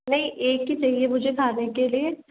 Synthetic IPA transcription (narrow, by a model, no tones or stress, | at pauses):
nɐɦĩʔeːkːit͡ʃɐɦiemʊd͡ʒʱeɡʱaːnekelie